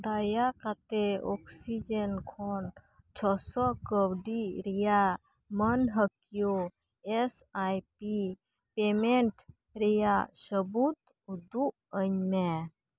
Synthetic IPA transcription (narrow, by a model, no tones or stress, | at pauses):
d̪ajakat̪eɔksid͡ʒenkʰon | t͡ʃʰɔsɔkəwɖiɾija | mənɦəkijo | esajpi | pemeɳʈ | ɾijasəbut̪ | ud̪u | əɲme